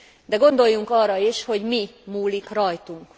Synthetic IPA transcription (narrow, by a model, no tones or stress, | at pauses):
d̪ɛɡo̞nd̪o̞jːuŋkɒrːɒiʃho̞ɟmimuːlikrɒjt̪uŋk